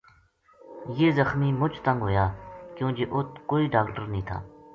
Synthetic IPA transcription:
jeːzəxmiːmʊt͡ʃʰt̪ə̃ŋɡɦoːjaːkjõːd͡ʒeːʔʊt̪ʰkoːiːɖaːkʈəɾnəɦĩːt̪ʰa̰ː

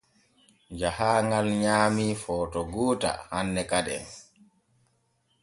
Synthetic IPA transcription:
d͡ʒahaːŋɡalɲaːmifɔːtɔɡuːta̰hanːɛkaɗɛ̰n

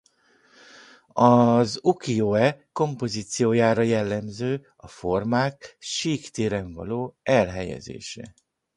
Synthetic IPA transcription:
ɒzukioːɛko̞mpo̞ziːt̪sijoːjaːɾɒjɛlːɛmzøː | ɒfo̞rmaːkʃiːkt̪eːɾɛɱvɒ̰loːɛlɦɛjɛ̰zḛːʃɛ̰

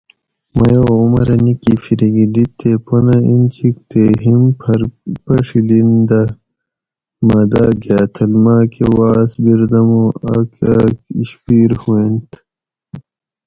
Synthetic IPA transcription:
mɐjoumɐɾɐnikifiɾiɡid̪it̪ːeponɐint͡ɕik̚t̪eɦimpʰɐɾpɐʂilind̪ɐ | maːd̪aːɡaːt̪ʰɐlmaːkewaːsbiɾd̪ɐmoɐkakiɕpiːɾhuent̪

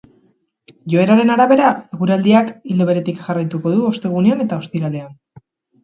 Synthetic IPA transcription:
ʝo̞e̞ɾaɾe̞naɾaβe̞ɾaeɣ̞uɾald̪iakild̪o̞βe̞ɾe̞t̪ikʝarajt̪uko̞ðuo̞st̪e̞ɣ̞une̞ane̞t̪ao̞st̪iɾale̞an

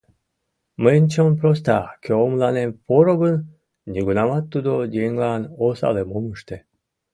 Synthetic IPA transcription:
mənʲt͡ɕonpɾos̬t̪ɑkʲøomlɑnemfoɾoɡən | nʲiɡunɑmɑt̪ːud̪od̪ʲeŋlɑnosɑ̰lemoməʃt̪e

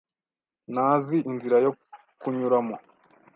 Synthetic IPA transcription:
naːziʔinziɾajo̞ | kuɲuɾamo

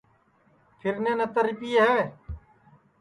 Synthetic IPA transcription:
pʰɪɾnẽːnət̪əɾipiːeːɦeʋeː

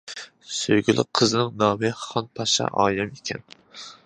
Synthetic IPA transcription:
søjɡʲylʔɪ̰qʰːəznɪŋnɑːmɨχɑnpʰɑʃɑ̰ʔɑ̰ːjɑmekʲʰɛn

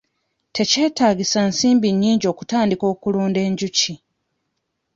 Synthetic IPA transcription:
tʰe̞ce̞ːtaːɡisansiːmbiɲːiːɲɟo̞ːku̥taːndiko̞ːkuloːnde̞ːɲɟuci

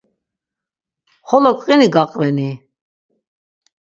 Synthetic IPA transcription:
χɔlɔkʰʼqʼiniɡaqʼvɛni

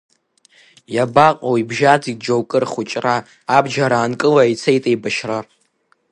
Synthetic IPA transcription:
jabaqʼowibʒad͡zidd͡ʒowkʼɨrχut͡ʃʼraː | bd͡ʒaɾaːnkʼɨlait͡sʰejtʼejbaʃrar

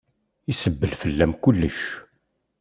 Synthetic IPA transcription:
isəbːəlfəlːæmkʊlːəʃ

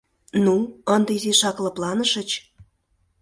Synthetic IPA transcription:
nuənd̪əiziʃɑklɤ̆plˠɑnəʃə̆t͡ɕ

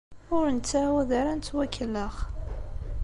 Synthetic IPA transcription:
ʊɾənt͡sːawæðaɾænt͡s̪ːwækʰːələχ

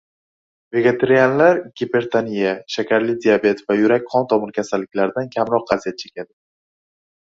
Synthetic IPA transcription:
ve̞ɡʲet̪ʰeɾijanlaɾɡʲepe̞ɾt̪ʰanijaʃakʲʰaɾlɪd̪iabe̞t̪vajʊɾakʲqʰɒnt̪ʰɒmɪɾkʲʰasalːɪkʲlaɾd̪ankʲʰamɾɒq̚ːazijat̪̚t͡ʃʰe̞̥kʲʰad̪ɪ

